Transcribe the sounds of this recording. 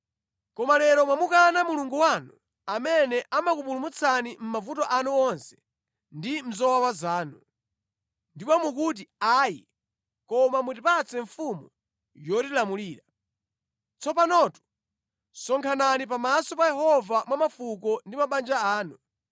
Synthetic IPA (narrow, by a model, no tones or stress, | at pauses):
kɔmalɛɾɔmwamukanamuluŋɡuwanu | amɛnɛʔamakupulumut͡sʰanim̩mavutɔʔanuɔnsɛ̥ | ndim̩zɔwawazaːnu | ndipɔmuk̬ut̬iaːjḭ | kɔmamut̬ipat͡sɛɱfumu | jɔtilamuliːɾa | t͡sʰɔpanɔtu̥ | sɔŋkʰananipamasɔpajɛhɔvamwamafuk̬ɔndimaɓand͡ʒaaːnu